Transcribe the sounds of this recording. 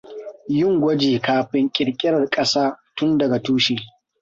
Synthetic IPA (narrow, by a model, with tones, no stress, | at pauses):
jʊ˦˨ŋɡʷɐ˦d͡ʒiː˨kaː˨ɸɪ˦ŋkʲʼɪ˨ɽkʲʼɪ˦ɾɐ˨rkʼɐ˦saː˦tʊ˦ndɐ˨ɡa˨tuː˦ʃɪ˦˨